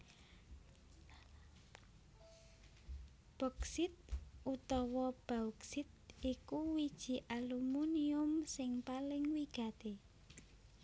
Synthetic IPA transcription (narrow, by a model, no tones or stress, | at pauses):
b̥ɔksɪt̪̚ut̪ɔwɔb̥auksɪt̪̚ikuwid̥ʒ̥i̤ʔalumuniʊmsɪŋpalɪŋwiɡ̥a̤t̪e